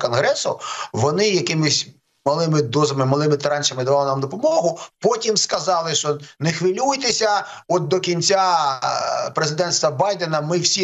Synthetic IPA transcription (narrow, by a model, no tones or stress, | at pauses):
kɔnɦɾɛsʊ̰ʋɔnɪjɐkɪmɪsʲ | mɐlˠɪmɪd̪ɔzɐmɪmɐlˠɪmɪt̪ɐɾɑnʲt͡ʃɐmɪd̪ɐʋɑlˠɔnamd̪ɔpɔmɔɦʊpɔtʲimskɐzɑlˠɪʃt͡ʃɔnexʋɪlʲujt̪esʲɐ | ɔt̪̚d̪ɔkʲinʲt͡sʲa | pɾezɪd̪ɛnst̪ʋɐbɑjd̪enɐmɪwsʲi